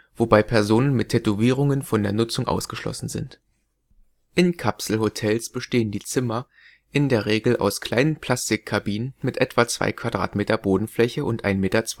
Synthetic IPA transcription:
v̥obaɪpʰɛɐzoːnənmɪtʰːɛtoviːʁ̞ʊŋənfɔndeːɐnʊt͡sʊŋʔa̰ʊsɡ̥əʃlɔ̰sn̩zɪ̰nt | ʔɪnkʰapsl̩hotʰɛlsb̥əʃteːəndiːt͡sɪmɐ | ʔɪndeːɐʁ̞eːɡl̩ʔa̰ʊskl̥aɪnənpʰl̥astɪkʰːabiːnənmɪtʔɛtv̥at͡sv̥a̰ɪkv̥adʁa̰ːtmeːtɐboːdn̩flɛçəʔʊntʔaɪnmeːtɐt͡s

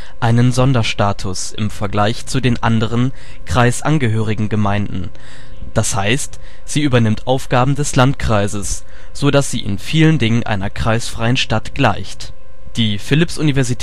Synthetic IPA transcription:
ʔaɪnənzɔndɐʃtaːtʰʊs | ɪ̰mfɛɐɡlaɪçt͡sudeːnʔandəʁ̞ən | kʁ̥aɪsʔanɡəɦøːʁ̞ɪɡŋ̩ɡəmaɪndn̩ | d̥ashaɪst | z̥iːʔyːbɐnɪmtʔaʊfɡ̥aːbm̩dɛslantkʁ̥aɪzəs | z̥odasz̥ḭːʔɪ̰nfiːləndɪŋənʔa̰ɪnɐkʁ̥aɪsfʁ̥aɪənʃtatɡ̥la̰ɪçt | d̥iːfɪlɪpsʔunivɛɐzitʰ

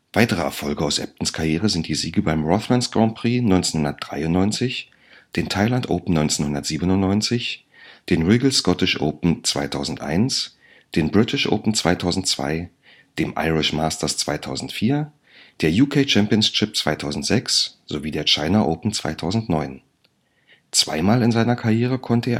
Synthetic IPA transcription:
v̥aɪtəʁ̞əɛ̰ɐfɔlɡəaʊsʔɛ̰p̚tn̩skʰajeːʁ̞əzɪnt̚d̥iːziːɡəbaɪmʁɔθlantsɡ̥ʁɔnpʁ̥iːnɔʏnt͡senhʊndɐt̚d̥ʁa̰ɪʊntnɔʏnt͡sɪç | d̥eːntʰaɪlantʔo̰ʊpn̩nɔʏnt͡senhʊndɐtz̥iːbənʊnnɔʏnt͡sɪç | d̥eːnʁiːɡl̩skɔtɪʃʔo̰ʊpn̩t͡sv̥a̰ɪtʰaʊzn̩tʔa̰ɪns | d̥eːnbʁɪtʰɪʃʔo̰ʊpn̩t͡sv̥a̰ɪtʰaʊzn̩tt͡sv̥a̰ɪ | d̥eːmʔa̰ɪʁɪʃmaːstɐst͡sv̥a̰ɪtʰa̰ʊzn̩tfiːɐ | d̥eːɐjuːkʰeːt͡ʃɛmpiʊnsʃɪp̚t͡sv̥aɪtʰaʊzn̩tz̥ɛksz̥oviːdeːɐt͡ʃaɪnɐʔoʊpn̩t͡sv̥a̰ɪtʰaʊzn̩tnɔʏn | t͡sv̥a̰ɪmaːlɪnzaɪnɐkʰaʁjeːʁ̞əkʰɔntəeːɐ

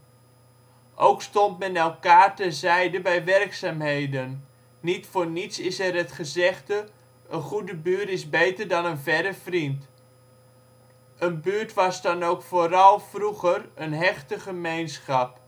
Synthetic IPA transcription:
ʔowkstɔntmɛnɛlˠkaːrtəzɛjdəbɛjʋɛrksaːmɦejdənː | itfoːɹnitsɪsɛrətχəzɛχtə | ʔənχudəbyːɹtɪsbejtərdɑnənvɛɾəfrint | ənbyːɹtʋɑsdɑnowkfoːrɑlˠfruɣərənɦɛχtəχəmejnsχɑp̚

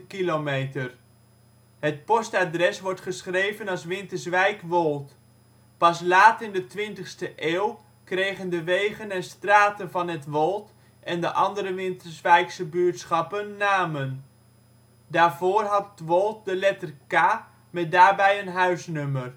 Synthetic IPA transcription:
kilomejtər | ɦət̚pɔstaːdrɛsʋɔɹtχəsχrejvənɑlˠsʋɪntəɹzʋɛjkʋɔlˠt | pɑslaːtɪndətʋɪntəχstəʔeːw | krejχəndəʋejχənɛnstraːtənvɑnɦətʋɔlˠt | ʔɛndəʔɑndəɾəʋɪntəzʋɛjksəbyːɹtsχɑpənːaːmən | daːɹvoːrɦɑtʋɔlˠt̚dəlɛtərkaː | mɛt̚daːɹbɛjənɦœɥsnɵmər

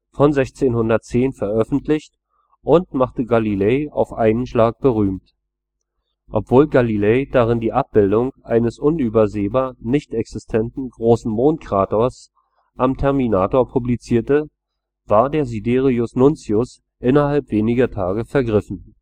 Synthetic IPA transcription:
fɔnzɛçt͡seːnhʊndɐt̚t͡seːnfɛɐʔœfn̩tlɪçt | ʔʊntmaχtəɡalileɪa̰ʊfʔa̰ɪnənʃlaːk̚b̥əʁyːmt | ʔɔpv̥oːlɡalileɪd̥aʁ̞ɪndiːʔap̚b̥ɪldʊŋʔaɪnəsʔʊnyːbɐzeːbaːɐnɪçtɛksɪstʰɛntn̩ɡʁoːsn̩moːnt̚kʁ̥aːtoɐs | ʔamtʰɛɐminaːtoːɐpʰublit͡siːɐtə | v̥aːɐdeːɐzibeːʁiʊsnʊnt͡siʊs | ʔɪnɐhalpv̥eːnɪɡɐtʰaːɡəfɛɐɡʁɪfn̩

